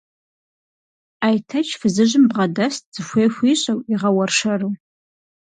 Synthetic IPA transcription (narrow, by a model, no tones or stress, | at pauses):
aːjtʰɐt͡ʃʰfɨzɨʑɪmbʁɐdɐst̚ʰz̥ɨxʷeːxʷiːɕʼɐwiʁɐwɐrʂɐru